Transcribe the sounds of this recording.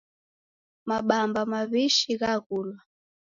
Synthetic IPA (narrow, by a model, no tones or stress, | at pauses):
maɓambamaβiʃiɣakulwa